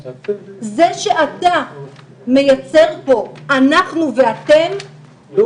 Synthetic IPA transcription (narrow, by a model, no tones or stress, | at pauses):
ze̞ʃe̞ʔata | me̞jat͡se̞ʁbo̞anaχnuve̞ate̞m